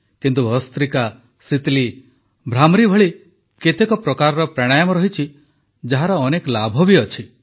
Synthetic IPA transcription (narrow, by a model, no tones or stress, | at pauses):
kint̪uɔst̪ɾika | sit̪li | bʱɾamɾibʱɔɭi | ket̪ekɔpɾɔkaɾɔɾɔpɾaɽ̃ajɔmɔɾɔɦit͡ʃʰi | d͡ʒaɦaɾɔːnekɔlabʱɔbiɔt͡ʃʰi